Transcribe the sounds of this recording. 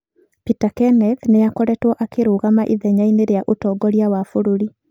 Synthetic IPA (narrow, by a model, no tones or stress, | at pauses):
pitakɛnɛðneakɔɾɛtwɔʔakeɾoːɣamaʔiðɛɲaineɾejaʔotɔːɡɔɾjawafoɾoɾi